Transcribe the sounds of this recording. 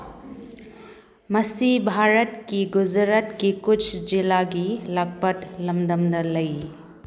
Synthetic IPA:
mɐsibʱaɾət̪kiɡud͡ʒɾət̪kikut͡ʃʰd͡ʒilaɡilaɡ̚pətlɐmd̪əmd̪ɐlɐj

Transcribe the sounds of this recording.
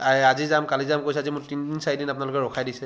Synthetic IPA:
aazizamkalizamkojsɛazimʊɹtindinsajdinapʊnalʊkɛɹɔkʰajdisɛ

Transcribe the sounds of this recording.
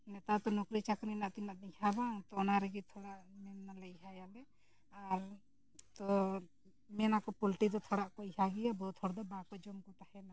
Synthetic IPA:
nɛt̪at̪ɔnɔkɾit͡ʃakninaʔt̪inaʔ̪ihabaŋt̪ɔnaɾɛɡit̪ʰɔɽaʔmɛnːalɛiɦajalɛ | aɾ | t̪ɔ | mɛnakɔpulʈid̪ɔt̪ʰɔɽaʔkɔihaɡijabɔt̪ʰɔɽd̪ɔbakɔd͡ʒɔmkɔt̪ahɛna

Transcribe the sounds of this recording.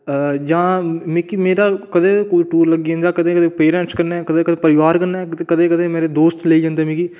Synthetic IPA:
d͡ʒãːmeːkiːmeːɾaːkəd̪eːkʊlʈuːɾləɡiːɦə̃nd̪aːkəd̪ẽːkəd̪eːpeːɾɛ̃ɳʈskəɾnekəd̪eːkəd̪eːpəɾɪʋaːɾkəɾnaːkəd̪eːkəd̪eːmeːɾeːd̪oːst̪leid͡ʒãːnd̪eːmĩːkiː

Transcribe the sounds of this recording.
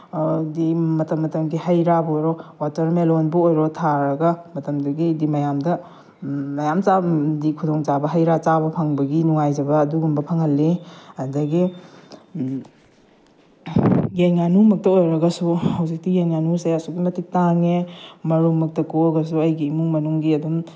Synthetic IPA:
dimɐtɐmːɐtɐmɡihɐjɾabojɾowatɐɾmelonbɐojɾotʰaɾɐɡɐmɐtɐmdɐɡidimɐjamdɐ | mɐjamt͡ʃadikʰudoŋt͡ʃabɐɦɐjɾat͡ʃabɐpʰɐŋbɐɡinuŋajd͡ʒɐbɐːduɡumbɐpʰɐŋhɐlːiɐdɐɡi | jeŋanumɐk̚tɐojɾɐɡɐsuhɐwzik̚tijeŋnanusɐjasuɡimɐtik̚taŋemɐɾuŋmɐk̚tɐkoɡɐs̬uɐjɡiːmuŋmɐnuŋɡiɐdum

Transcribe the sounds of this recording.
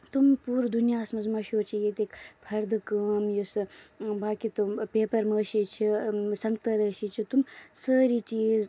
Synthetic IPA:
t̪umpuːɾd̪ʱunjaːsmɐzmɐʃjoːt͡ʃʰijeːt̪eːkpʰɐɾd̪ʱkəːmjusɨbaːkit̪opeːpɐɾməʃit͡ʃʰisɐŋɡt̪ɐɾəːʃit͡ʃʰit̪umsəːɾit͡ʃiːz

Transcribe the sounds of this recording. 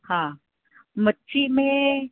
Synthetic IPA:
hãː | mətːʃʰimẽ

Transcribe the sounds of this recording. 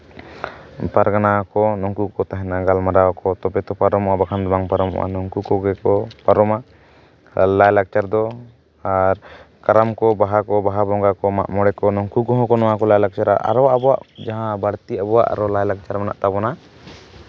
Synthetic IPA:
paɾɡanakɔnɔŋkukɔt̪aɦɛnaɡalmaɾawakɔt̪ɔbɛt̪ɔpaɾɔmɔabakʰand̪ɔbaŋpaɾɔmɔ̰ʔa̰nɔŋkukɔɡɛkɔpaɾɔma | lajlaɡ̚t͡ʃaɾd̪ɔ | aɾ | kaɾamkɔbaɦakɔbaɦabɔŋɡakɔma̰ʔmɔɽɛkɔnɔŋkuɡɔ̃ɦɔ̃kɔnɔwakɔlajlak̚t͡ʃaɾaʔa̰ɾɔwaʔabɔwa̰ʔd͡ʒaɦãbaɽt̪iabɔwa̰ʔa̰ɾɔlajlak̚t͡ʃaɾmana̰ʔt̪abɔna

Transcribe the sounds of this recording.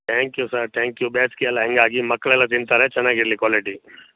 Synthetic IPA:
t̪ʰɛ̃ːŋkjusɐɾt̪ʰɛ̃ːŋkjubeːskiɛlaɦɛ̃ŋɡaːɡimɐkːɭeːlat̪int̪aːɾeːt͡ʃɐnaɡiɾlikwaːliʈi

